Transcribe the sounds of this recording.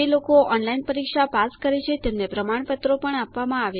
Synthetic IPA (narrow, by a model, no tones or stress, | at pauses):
elokoʔɔnlainpəɾikʃapaskəɾet͡ʃʰet̪emnepɾəmaɳpət̪ɾopəɳapʋamãaʋe